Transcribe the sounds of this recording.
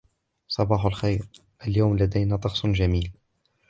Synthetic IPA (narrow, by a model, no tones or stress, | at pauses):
sˤɑbɑːħalxajɾ | ʔaljawmlad̪ajnaːt̪ˤɑxsˤnʒamiːl